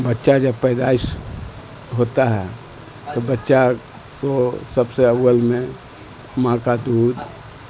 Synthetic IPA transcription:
bətːʃad͡ʒəbpəjd̪ais | ɦot̪aɦɛ | t̪obətːʃa | kosəbseəwəlmẽ | mãkad̪uːd̪

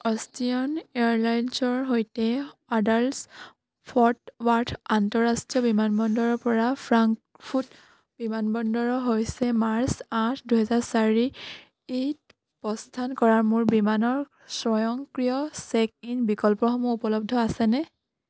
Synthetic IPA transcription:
ɔstiɔneaɹlajnsɔɹɦojtɛadals | pʰɔɹtwatʰantɔɹastɹijɔbimanbɔndɔɹɔɹpɔɹapʰɹaŋk | pʰut | b̥imanbɔndɔɹɔɦojsɛmaɹsatʰduɦɛzaɹsaɹi | it | pɔstʰankɔɹaɹmuɹbimanɔɹ | sɹɔjɔŋkɹijɔsɛk̚inbikɔlpɔxɔmɔupɔlɔb̚dʱɔasɛnɛ

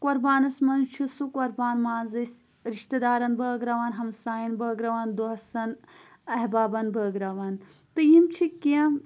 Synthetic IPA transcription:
koɾbaːnɐsmɐnt͡ʃʰisukɐɾbaːnmaːnzisʲ | ɾiʃt̪ɐd̪aːɾɐnbɐːɡɾɐʋaːnɦɐmsaːjɐnbɐːɡɾɐʋaːnd̪oɦɐsɐn | ɐɦbaːbɐnbɐːɡɾɐʋaːn | t̪ɨjimt͡ʃʰikːiã

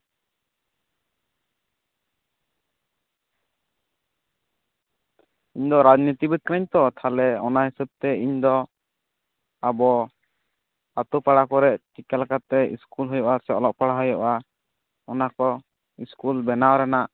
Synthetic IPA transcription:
iɲd̪ɔɾad͡ʒnit̪ibɛt̪̚kənaɲt̪ɔt̪ʰalɛɔnaɦisəb̚t̪ɛiɲd̪ɔ | abɔ | at̪upaɽakɔɾɛʔt͡ʃikalakat̪ɛḭskulɦɔjɔʔasɛɔlɔʔpaɽaɦɔjɔʔa | ɔnakɔ | iskulbɛnawɾɛnaʔ

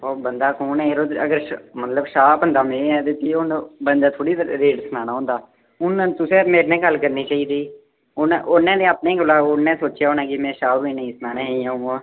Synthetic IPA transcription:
oːbənd̪aːkoːnɛ̃eːɾoːəɡəɾmət̪ləbʃaːpɦə̃nd̪aːmeɛt̪et̪iʊnbənd̪aːt̪ʰoːɽiːt̪ɾeːʈsənãːnaːɦõːnd̪aː | ʊnt̪ʊsẽːmeːɾnẽːɡəlkəɾniːt͡ʃaːiːd̪iː | ʊnʔonːẽːnẽːaːpnẽːɡʊlaːʊnːẽːsoːt͡ʃjaːɦoːnãːkɪmɛ̃ːʃaːʋiːnəĩːsnaːnẽːɦeãːõː

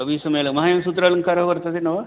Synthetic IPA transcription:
ɐbisɐmɐjlɐɡmɐɦaːjɐmsuːt̪̬ɾaːlɐŋkaːɾɐɦkɐɾt̪at̪ʰinɐʋa

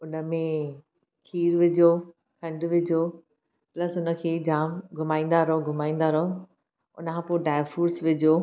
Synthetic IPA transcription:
ʊnə̆mẽ | kʰiːɾʋɪd͡ʑoː | kʰɐ̃ɳɖʋɪd͡ʑʱoː | plɐsʊnə̆kʰeːd͡ʑaːmɡʱʊmaːĩːn̆d̪aɾəɦõɡʱʊmaːĩn̆d̪aɾəɦõ | ʊ̰nəkʰãːpoːɖaːɪfuːɾsʋɪd͡ʑoː

